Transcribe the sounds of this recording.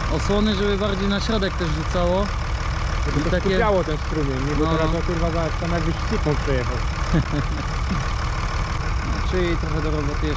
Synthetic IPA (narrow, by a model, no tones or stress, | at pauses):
ɔswɔnɨʐɛbɘbaɾd͡ʑejnaɕɾɔd̪ɛk̚t̪ɛʐʐut̪sawɔ | ɛbiɔt̪akuɛjawɔt̪ɛnst̪ɾumʲɛnɲɛbuɔɾazɔpʲɛɾvavast̪anaɡbɪssʲixɔ̃w̃pʂɛjɛxaw | nɔt͡ʂɨit̪ɾɔxɛd̪ɔɾɔbɔt̪jɛ